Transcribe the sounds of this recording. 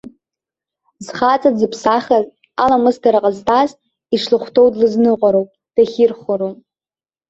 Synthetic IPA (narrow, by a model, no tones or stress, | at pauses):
zχat͡sʼad͡zɨpʰsaχʲaz | alamɨzdaɾaqʼəztʼʰaz | iʂlɨχʷtʰowdlɨznɨqʷʼaɾowpʼ | d̥aχʲirχʷʊɾow